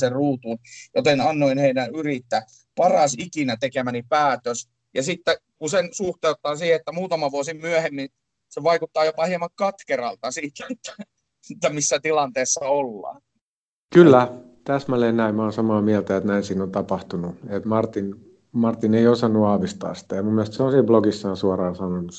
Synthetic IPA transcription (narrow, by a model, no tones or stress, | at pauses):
seruːt̪uːnjot̪enɑnːoinheidænyrit̪ːæ | pɑrɑsikinæt̪ekemænipæːt̪øs | jɑsit̪ːækusensuht̪eut̪ːˑɑːsiːheet̪ːæmuːt̪ɑmɑʋuosimmyæhemːin | seʋɑikut̪ːɑːjopɑhiemɑkkɑt̪kerɑ̰lt̪ɑsiːt̪æet̪ːæ̥ | et̪ːæmisːæt̪ilɑnt̪eːsːɑolːɑ̰ː | kylːæt̪æsmæleːnnæimmoːnsɑmɑːmiælt̪æet̪næinsiːnont̪ɑpɑht̪unuet̪mɑrt̪in | mɑrt̪ineiosɑnːuɑːʋist̪ɑ̰ːssi̥t̪æjɑmumːiælest̪seoːnsiːbloɡisːɑːnsuɑrɑːnsɑnonu